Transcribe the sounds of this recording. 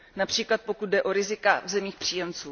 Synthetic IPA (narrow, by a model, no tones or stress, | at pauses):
napr̝̥iːklat̪̚po̞kud̪̚dɛʔo̞ɾɪzɪkavzɛmiːxpr̝̥iːjɛmt͡suː